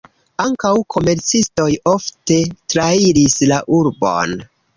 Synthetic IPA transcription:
aŋkawkʰo̞me̞ɾt͡sisto̞jo̞fte̞tɾaiɾislaʔuɾbo̞̰n

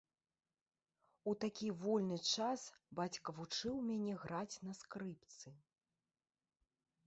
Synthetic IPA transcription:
ut̪akʲivɔlʲnɨt͡ʂasbat͡sʲkɐvut͡ʂɨwmʲanʲɛɣɾat͡sʲn̪ɐskɾɨpt̪sɨ

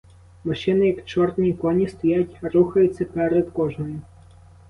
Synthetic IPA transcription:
mɔʃɪnɪjɐkt͡ʃɔrd̪nʲikɔnʲist̪ɔjajtʲɾuxɐjʊt͡sʲːɐpɛɾɛd̪kɔʒnɔjʊ

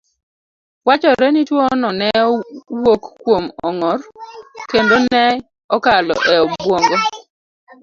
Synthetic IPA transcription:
wat͡ʃɔɾɛnitwɔnɔnɛwokːwomɔŋɔrkendonɛ | ɔkalɔ̰ʔɛɔbwoŋɡɔ

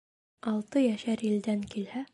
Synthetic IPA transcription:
ɑlˠt̪ɤjæʃæɾild̪æŋkilhæ

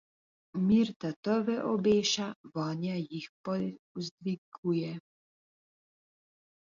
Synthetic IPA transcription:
miɾt̪at̪əɾvɛʔɔbeːʃaʋɔːnjajixpɔzd̪ʋiɡujɛ

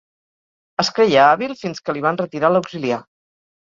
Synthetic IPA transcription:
əskɾejaaβilˠfinskəliβ̞anrət̪iɾaləwkzilia

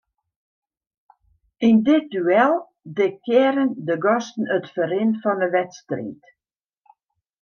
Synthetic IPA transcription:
indɪt̚dyɛlˠ | dekjɪəɾəndəɡɔstn̩ətfəɾɪnfɔnəʋɛtstrḭːt

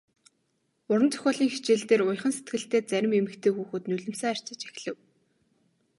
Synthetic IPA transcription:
ʊɾə̆nt͡sʰœ̥xʲɔːɮiːŋxit͡ɕeːɮt̪eːrʊj̆χə̆nset̪̚ɡɘ̆ɬt̪eːt͡sæɾʲɪ̆memɘ̆kt̪ʰeːxuːxɘ̆t̪nɵɮɘ̆msæːær̥t͡ɕɪ̆t͡ɕex̆ʲɮɘ̆w

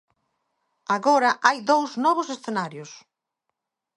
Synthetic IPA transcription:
aɣɔɾɐʔajðowznɔβ̞ʊsesθenaɾjʊs

